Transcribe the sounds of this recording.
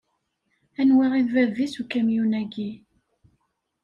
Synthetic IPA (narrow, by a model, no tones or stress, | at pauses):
ænwiʁiðvævisukæmjunæɡi